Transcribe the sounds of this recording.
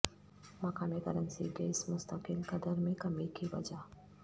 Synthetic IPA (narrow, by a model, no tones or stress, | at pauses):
mɐkaːnekɐ̰ɾənsḭɡeːsmʊst̪əkɪlkɐd̪əɾmẽkɐmikiʋɐ̰d͡ʒa